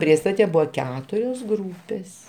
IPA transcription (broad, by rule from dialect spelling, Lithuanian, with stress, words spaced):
ˈpʲrʲiɛstɐtʲɛ ˈbʊʋoː ˈkʲæːtʊrʲoːs ˈɡruːpʲeːs